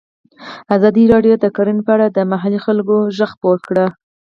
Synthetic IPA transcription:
azɑd̪iɾɑɖjod̪əkɑɾinpəaɽad̪əmaɦalixalɡoʒəxpoɾkɽə

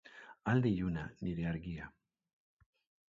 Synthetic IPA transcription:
ald̪ijunaniɾeaɾɡia

